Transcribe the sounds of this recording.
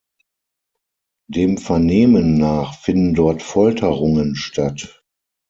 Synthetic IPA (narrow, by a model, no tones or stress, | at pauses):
d̥eːmfɛɐneːmənːaːχfɪndn̩dɔɐtfɔltʰəʁʊŋənʃtat